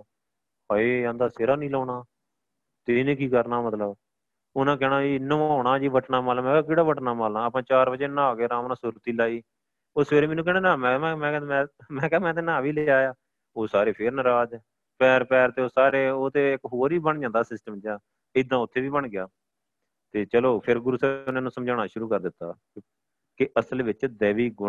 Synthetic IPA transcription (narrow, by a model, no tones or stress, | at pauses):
aːeːãːnd̪aːseːɾaːnĩːlɔːɽaː | t̪enẽːkiːkəɾnaːmət̪ləb | ʊnãːk̬ɛːɽãːiːɪnːõːoːɽaːd͡ʒiːʋəʈnaːmaːləmɛ̃ːkɪːɽaːbəʈnaːmaːlnaːəpãːt͡ʃaːɾbəd͡ʒeːnãːɡeːɾãːmnãːsʊɾt̪iːlaːiː | ʊsʋeːɾeːmɛːnuːk̬ɛːnaːnãːmɛ̃ːɛ̃ːmɛ̃ːmɛ̃ːmɛ̃ːkɛːmɛ̃ːt̪̬eːnãːʋiːleːaːjaː | oːsaːɾeːpʰeːɾnɾaːd͡ʒ | pɛːɾpɛːɾt̪eːoːsaːɾeːoːt̪eːɪkɦoːɾiːbəɳd͡ʒãːnd̪aːsɪsʈəmd͡ʒjaː | ɪd̪ãːʊt̪ʰːeːʋiːbəɳɡɪjaː | t̪eːt͡ʃəloːpʰɪɾɡʊɾuːsɛːʊnãːnũːsəmd͡ʒaːɳ̃aːʃʊɾuːkəɾd̪ɪt̪ːa̰ː | kɪʔəsəlʋɪt͡ʃd̪ɛːʋiːɡʊ